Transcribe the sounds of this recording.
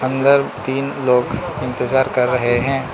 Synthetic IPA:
ɐ̃nd̪əɾt̪iːnloːɡ | ɪ̃nt̪ɪzaːɾkɐɾːɐɦeɦɛ̃ː

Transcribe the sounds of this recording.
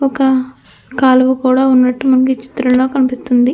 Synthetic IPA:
ɔkɐ | kaːlɐʋukuːɽaːunːɐʈːumɐnɐkit͡ʃi̥t̪ɾɐllo̞ːkɐnipist̪und̪i

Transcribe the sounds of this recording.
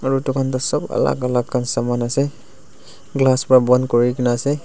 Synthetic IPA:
aɹutɔkʰantɔsɔba̰la̰ɡalakkansamanasɛ | ɡlaspɹabɔnkɔɹikinaːsɛ

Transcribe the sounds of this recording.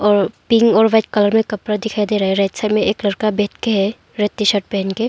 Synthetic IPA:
ɔːɾpɪ̃ŋɡɔːɾʋɐt͡ʃkɐləɾmẽkɐpɾad̪ɪkʰaːid̪eːɾaɦɛɾɛːtsəɾmẽʔeːklɐɾkabɛɦt̪keɦɛ | ɾet̪ːiʃəʈ̚pɛɦnke

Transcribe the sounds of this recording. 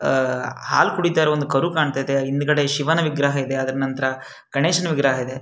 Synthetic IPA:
ha̰ːlkuɽid̪ːaːɾeond̪ukɐɾukaːɳt̪aːid̪e̞ind̪ɡɐɽeʃiʋɐnɐʋiɡɾɐɦɐid̪e̞ɐd̪ɾɐnɐnt̪ɐɾɐ | kɐɳeːʂɐnʋiɡɾɐɦɐid̪e

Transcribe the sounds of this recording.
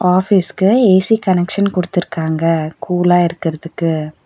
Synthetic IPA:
aːfiːskɯeːsikɐnɛkʂɐnkɔɽɯt̪ːɪɾɯkːaːŋɡɐkʰuːlaːɪɾɯkːɪɾɐðɯkːɯ

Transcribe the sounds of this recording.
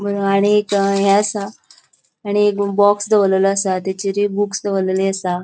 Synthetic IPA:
bʱəɾuaɽ̃iekɦɛəsaː | ɽ̃iekbɔksd̪eʋlələəsat̪at͡ɕiɾibuksd̪əʋləliəsa

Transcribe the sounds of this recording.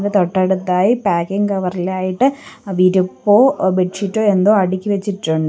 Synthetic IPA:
det̪oʈːɐɽut̪ːaːjipaːkːiŋkɐʋɐrilaːjiʈːɨʋiːɾupːo̞ːbeʈʂiʈːoːe̞nd̪oːɐɽikʲːɨʋet͡ɕːiʈːuɳɖɨ

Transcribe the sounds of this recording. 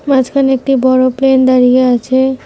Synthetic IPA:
mad͡ʒkʰanek̚ʈibɔɾoplend̪aɾieat͡ʃʰe

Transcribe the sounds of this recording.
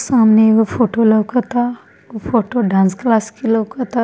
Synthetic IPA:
sãmneʋəfoʈoləwkət̪a | əfoʈoɖãnsklaskiləwkət̪a

